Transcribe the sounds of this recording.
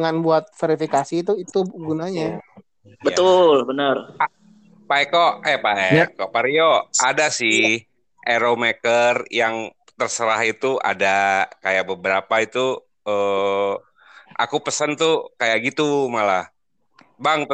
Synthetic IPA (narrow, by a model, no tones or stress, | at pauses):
ŋanbuat̪̚feɾifikasit̪uit̪uɡunaɲa | bət̪ʊlbənər | paɛkoʔɛhpaʔɛkoʔpaɾioadasɪh | ʔeɾomekərjaŋ | t̪ərsəɾaɦit̪ua̰dakajaʔbəbəɾapait̪u | ə | ʔa̰kupəsənt̪ukajaʔɡit̪umala | baŋ